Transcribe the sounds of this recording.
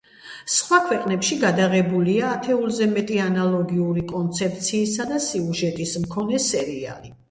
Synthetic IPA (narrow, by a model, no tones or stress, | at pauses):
sχwakʰwɛqʼnɛpʃiɡad̪aʁɛbuliaːt̪ʰɛulˠzɛmɛt̪ʼianalˠɔɡiuɾikʼɔnt̪sʰɛp̚t̪sʰiːsad̪asiuʒɛt̪ʼismkʰɔnɛsɛɾia̰li